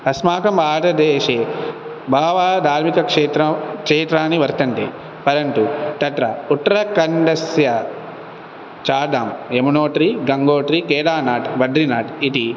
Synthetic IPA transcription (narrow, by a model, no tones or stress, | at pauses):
ɐsmaːkɐmaːʈ̪ɐd̪eːʃeː | bʱaːʋaːd̪ʱaːɾmikɐkʂeːt̪ɾɐmkʂeːt̪ɾaːniʋɐɾt̪ɐnt̪eː | pɐɾɐɳʈut̪ɐt̪ɾɐuʈɾɐkɐɳɖɐsjɐ | t͡ʃaːd̪aːmemɐnoːʈɾiɡɐŋɡoːʈɾikeːlaːnaːʈbɐɖ̪ɾinaːʈit̪i